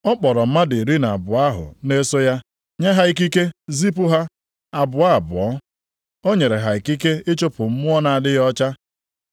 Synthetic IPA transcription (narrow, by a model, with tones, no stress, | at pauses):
ɔ˦k͡pɔ˨ɾɔ˨m̩˦ma˦di˨ɾi˦na˨a˨bʊ˨a˦ɦʊ̰˨ne˦so˦ja˦ | ɲa˦ɦa˦i˦k̬i˦ke˦zi˦p̬ʊ˦ɦa˦ | a˨bʊ˨a˦˨bʊ˨ɔ˦ | o˦ɲe˨ɾe˨ɦa˨i˨ki˦ke˦ɪ˦t͡ʃo˦pʊ˨m̩˦mʊ˦ɔ˦na˨a˨dɪ˦jɔ˦t͡ʃa˦